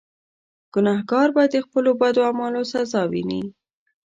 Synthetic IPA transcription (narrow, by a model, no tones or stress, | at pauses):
ɡ̥ʊnɑhɡɑɾbad̪əxpəlobad̪oamɑlosazɑwḭnḭ